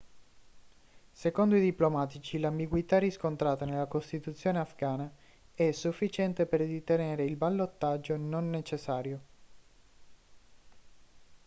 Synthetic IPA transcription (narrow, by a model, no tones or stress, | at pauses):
sekond̪oid̪iplomaːt̪it͡ʃilambiɡwit̪arːiskont̪ɾaːt̪anelːakost̪it̪ut̪sːjoːneafɡaːna | ɛsːufːit͡ʃɛnt̪eperd̪it̪eneːɾeilbalːot̪ːad͡ʒːononːet͡ʃesːaːɾjo